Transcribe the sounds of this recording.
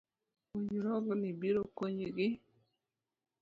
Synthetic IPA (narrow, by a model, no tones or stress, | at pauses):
oɲɾɔɡnibiɾokoɲɡɪ